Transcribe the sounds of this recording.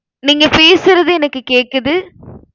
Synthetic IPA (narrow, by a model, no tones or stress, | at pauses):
niːŋɡɐpeːsɯɾɐðɯɛnɐkːɯkeːkːɐðɯ